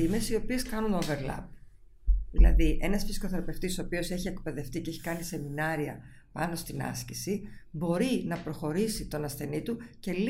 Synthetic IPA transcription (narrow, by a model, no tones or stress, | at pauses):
ime̞sio̞pie̞skɐnunove̞ɾlɐ̰b̚ | ðilɐ̰ðiʔe̞nɐsfisi̥ko̞θeɾɐpe̞ft̪isopio̞se̞çie̞kpe̞ðe̞ft̪iceçi̥kɐnise̞minɐɾiɐ̰ | pɐ̰no̞st̪inɐ̰scisibo̞ɾinɐpɾo̞xo̞ɾisit̪o̞nɐsθe̞nit̪uce̞l